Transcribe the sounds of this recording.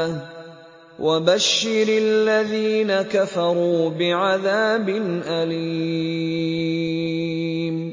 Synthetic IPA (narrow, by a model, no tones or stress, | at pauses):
wʔabaʃːɪɾɪlːaðiːnakafɑɾˤuːbɪʕaðaːbɪnʔali | m